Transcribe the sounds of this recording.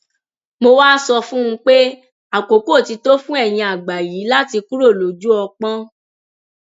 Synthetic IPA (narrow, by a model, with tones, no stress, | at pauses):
mo˧waː˦sɔ˧fũ˦ũ˧k͡pe˦ | a˨ko˨˦ko˦˨ti˧to˦fũ˦ɛ˦˨j̃ĩ˧a˨ɡ͡ba˨jiː˨˦la˦ti˧ku˦ɾo˦˨lo˨d͡ʒu˦ɔ˧k͡pã˦